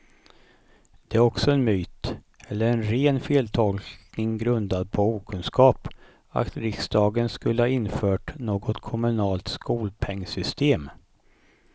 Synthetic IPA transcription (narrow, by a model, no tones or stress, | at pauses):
d̪̥ɛæɾɔksɔɛnmyːt̪ | ɛlːəɾɛnɾeːnfeːlt̪ʰɔlknɪŋɡɾɵnd̪ad̪̚pʰɔuːkʰɵnskɑːp | a̰t̪ɾɪksd̪ɑːɡənskɵlːəhɑːɪnfœːʈnoːɡɔt̪kʰɔmɵnɑːlt̪skuːlpʰɛŋːsʏst̪ʰeːm